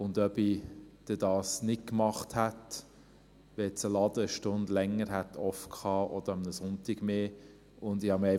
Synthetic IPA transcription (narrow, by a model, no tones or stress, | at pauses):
ʊnd̪œbid̪̥ɛdɑːsnɪk̚kmɑχthæt | ʋɛt͡səlɑd̥̪əəʃtʊndlɛŋːəɾhætʰɔfkʰχɑːʔɔd̥̪əɾɑmnəsʊntɪɡ̥meː | ʊnd̪ihɑmɛ